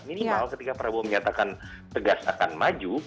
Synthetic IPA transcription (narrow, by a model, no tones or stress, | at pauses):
minimalkət̪ikapaɾabuaməɲat̪akan | t̪əɡasa̰kanmad͡ʒu